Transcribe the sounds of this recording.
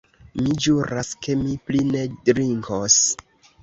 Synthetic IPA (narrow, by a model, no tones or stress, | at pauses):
mid͡ʒuɾaske̞mipline̞dɾiŋkʰos